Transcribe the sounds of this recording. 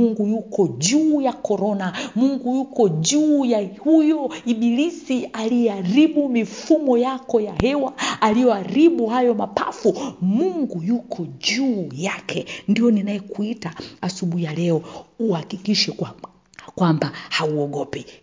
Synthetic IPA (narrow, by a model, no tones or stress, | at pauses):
muŋɡujukɔʄuːjakɔɾɔnamuŋɡujukɔʄuːjahujɔiɓilisialiɛaɾiɓumifumɔjakɔjahɛwaːlijɔaɾiɓuhajɔmapa̰fumuŋɡujukʰɔʄuːjakʰɛndiɔninajɛkuitaasuɓuhijalɛɔuhakikiʃɛ | kwambahauɔɠɔpɛ